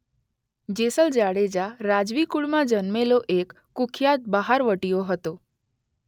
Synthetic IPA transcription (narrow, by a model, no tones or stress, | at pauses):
d͡ʒesəld͡ʒaɽed͡ʒaɾad͡ʒʋikuɭmãd͡ʒənmeloʔekːukʰjat̪̚baɦaɾʋəʈijoɦət̪o